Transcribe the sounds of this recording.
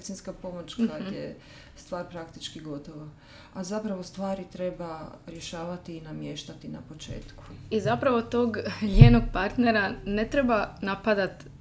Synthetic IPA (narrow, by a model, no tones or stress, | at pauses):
sinskapo̞mot͡ʃkaje | st̪ʋaːɾpɾakt̪it͡ʃkiɡo̞t̪oʋa | azapɾaʋost̪ʋaːɾit̪ɾe̞baɾjeʃaːʋat̪iːnamjeʃt̪at̪ina̰pot͡ʃḛːt̪ku̥izapɾaʋo̞t̪o̞ɡɲeːnoɡ̚paɾt̪neɾane̞t̪ɾebanapad̪at̪